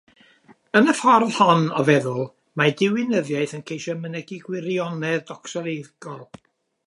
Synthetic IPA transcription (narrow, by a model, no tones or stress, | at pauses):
ənəfɔrðhɔnɔvɛðʊlˠ | madɪwɪnəðjajθənkʰejʃɔmənɛɡiɡwɪɾiɔnɛðdɔksɔlˠejðɡ̥ɔlˠ